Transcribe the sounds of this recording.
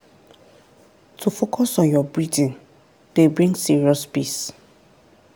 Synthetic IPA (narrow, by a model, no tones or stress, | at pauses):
tʰufokʰɔsɔ̃njɔbɹidĩn | d̥ebɹĩŋɡsiɹiɔspis